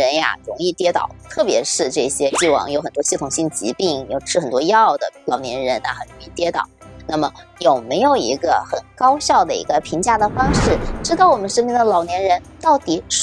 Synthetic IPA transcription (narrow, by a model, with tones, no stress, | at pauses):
ə˧˥nja̰˧ɻʊ˧˥ŋi˥˩˧t̪jɛ˥t̪ɑ̰˨˩˦ʊt̪ʰɤ˥˩pjɛ̰˧˥ʂɻ̩˥˧ʈ͡ʂɤ˥˩ɕjɛ˥i˥˩wɑ̰˨˩ŋjo˧˥ʊxə˨˩nt̪wɔ˥ɕi˥˩t̪ʰʊ˨˩ŋɕi˥˩ŋt͡ɕḭ˧˥pi˥˩ŋjo˧˩ʊʈ͡ʂʰɻ̩˥˩xə˨˩nt̪wɔ˥jɑ˥ɑ˥˩ʊd̪ə̰˩lɑ˨˩ʊnjɛ̰˧˥nɻə˧˥na˩xə˨˩nɻʊ˧˥ŋi˥˩t̪jɛ˥t̪ɑ̰˨˩˦ʊna˥˩mə˩jo˨˩ʊme˧˥ɪjo˨˩ʊḭ˧˥ɡə˧xə˨˩nkɑ˥ʊɕjɑ˥˩ʊd̪ə˩ḭ˧˥ɡə˧pʰi˧˥ŋt͡ɕja˥˩d̪ə˩fɑ˥ŋʂɻ̩˥˩ʈ͡ʂɻ̩˥t̪ɑ˥˩ʊwɔ˨˩mə˦nʂə˥nmi˥˩nd̪ə˨˩lɑ˨˩ʊnjɛ˧˥nɻə˧˥n | t̪ɑ˥˩ʊt̪i˨˩˦ʂ